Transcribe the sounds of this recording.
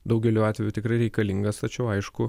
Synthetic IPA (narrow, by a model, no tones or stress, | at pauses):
d̪ɐʊɡʲɛlʲuːɑːt̪ʲʋʲɛjuːt̪ʲɪkɾɐɪɾʲɛɪkɐlʲɪŋɡɐst̪ɐt͡ʃʲɛʊɐɪʃkʊ